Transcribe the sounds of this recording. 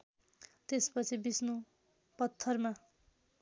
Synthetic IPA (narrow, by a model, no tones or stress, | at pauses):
t̪espʌt͡sʰibisnu | pʌt̪ʰːʌrma